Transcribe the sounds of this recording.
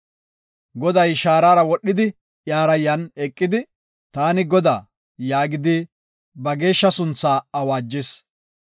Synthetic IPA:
ɡɔd̪ɐjʃaːɾaːɾɐwɔɗːɪd̪ɪ | ʔjaːɾɐjːɐnɛkʼːɪd̪ɪ | t̪aːnɪɡɔd̪a̰ː | jaːɡɪd̪ɪ | bɐɡe̞ːʃːɐsʊnt͡sːaːɐwaːd͡ʒːɪs

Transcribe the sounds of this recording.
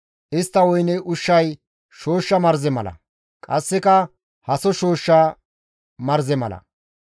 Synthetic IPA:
ʔɪst̪ːɐwɔjnɛʊʃːɐj | ʃo̞ːʃːɐmɐɾzɛmɐlɐ̰ | kʼɐsːɪkɐ | hɐsɔʃo̞ːʃːɐ | mɐɾzɛmɐ̰lɐ̰

